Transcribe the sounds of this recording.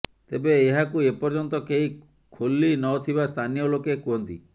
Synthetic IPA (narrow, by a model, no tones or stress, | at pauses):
t̪ebeːɦakuepɔɾd͡ʒɔnt̪ɔkei | kʰolːinɔt̪ʰibast̪ʰanijɔlokekuɦɔnt̪ḭ